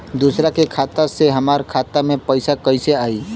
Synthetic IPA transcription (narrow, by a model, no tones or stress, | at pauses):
d̪usɾakekʰat̪aseɦəmaɾkʰat̪amepəɪsakəɪseai